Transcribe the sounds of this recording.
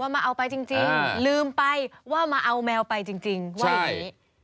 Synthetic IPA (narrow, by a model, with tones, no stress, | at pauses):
waː˥˩maː˧ʔa˧wpa˧jt͡ɕi˧ŋt͡ɕi˧ŋlɯː˧mpa˧jwaː˥˩maː˧ʔa˧wmɛː˧wpa˧jt͡ɕi˧ŋt͡ɕi˧ŋwaː˥a˩a˨˥˨jiː˦˥